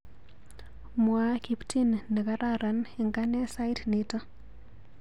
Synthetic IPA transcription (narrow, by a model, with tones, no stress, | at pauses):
mwaki˨ptʰinne˨ka˦ɾaɾa˦neŋɡa˦nesa˦jtnita˦